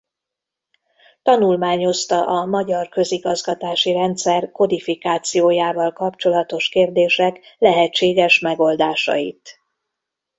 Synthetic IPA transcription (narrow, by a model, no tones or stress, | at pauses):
t̪ɒnulmaːɲo̞st̪ɒʔɒmɒɟɒrkø̞ziɡɒzɡɒt̪aːʃiɾɛnt̪sɛrko̞d̪ifikaːt̪sijoːjaːvɒlkɒpt͡ʃo̞lɒt̪o̞ʃkeːrd̪eːʃɛklɛɦɛt͡ʃːeːɡɛʃmɛɡo̞ld̪aːʃɒ̰jit̪